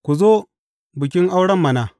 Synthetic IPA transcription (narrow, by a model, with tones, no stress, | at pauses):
kʷu˨zo˦ | bʊ˨kʲɪ˦ŋʔa˦wɽɐ˦mːɐ˨na˨